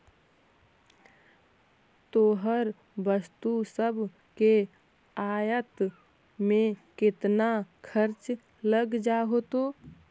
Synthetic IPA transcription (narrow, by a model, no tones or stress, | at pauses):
t̪oːɦəɾ | bəst̪usəbʱ | ke | aːjət̪ | mẽkɪt̪nakʰəɾt͡ʃ | ləɡd͡ʒaɦot̪oː